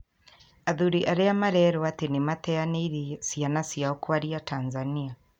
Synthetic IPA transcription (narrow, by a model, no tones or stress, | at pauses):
aðuɾiʔaɾeamaɾɛɾɔatenematɛaneiɾisianasiaokwaɾiatanzania